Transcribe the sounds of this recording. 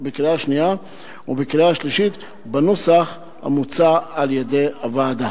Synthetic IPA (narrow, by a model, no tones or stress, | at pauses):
bekilaaʃnija | ubekilaaʃliʃit̪ | benosaχ | ha̰mut͡saaljed̪e̞javaːd̪a